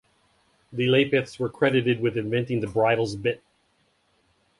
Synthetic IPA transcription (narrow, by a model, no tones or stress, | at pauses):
ðɨleɪpɨθswə˞kʰɹ̥ɛɾɨɾɨd̚wɨðɨ̃ɱvɛ̃ntɪ̃ŋðɨbɹaɪɾl̩ˠzbɪt̚